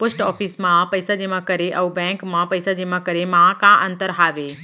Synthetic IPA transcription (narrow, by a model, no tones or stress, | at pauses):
pʊsʈɔːfʰiːsmãpɐɪsad͡ʑeːmãkɐɾeʔɐːbɛ̃ːŋkmãpɐɪsad͡ʑeːmãkɐɾemãkãʔɐ̃nt̪əɾɦaːʋeː